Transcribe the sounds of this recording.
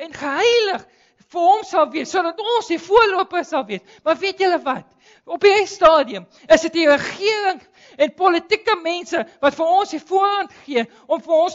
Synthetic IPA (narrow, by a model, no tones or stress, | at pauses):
ɛnχəɦɛjləχ | fərɦɔmsɐlˠviəsːuədɐtɔnsifuərluəpəsɐlˠviəs | mɐrviətjələvɐt | ɔpistɑːdiəm | əsətirəχiəɾəŋ | ɛnpɔlətikəmɛnsəvɐtfərɔnsifuərɐntχiə | ɔmfərɔns